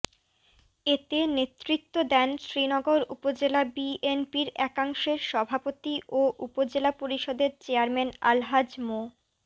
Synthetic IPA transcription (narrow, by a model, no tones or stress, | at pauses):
et̪enet̪ːɾit̪ːod̪ɛnʃɾinɔɡoɾṵpod͡ʑelabienpiɾɛkaŋʃeɾʃɔbʱapot̪iʔoʔupod͡ʑelapoɾiʃɔd̪eɾt͡ɕeaɾmena̰lɦad͡ʑmo